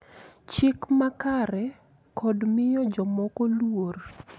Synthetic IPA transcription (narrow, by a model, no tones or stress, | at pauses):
t͡ʃɪkmakaɾɛ | kʰɔdmɪjɔd͡ʒɔmɔkɔlwor